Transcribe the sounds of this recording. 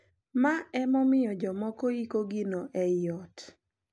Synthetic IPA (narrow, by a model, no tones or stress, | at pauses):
maɛmɔmɪjɔd͡ʒɔmɔkɔikoɡinoʔɛjɔt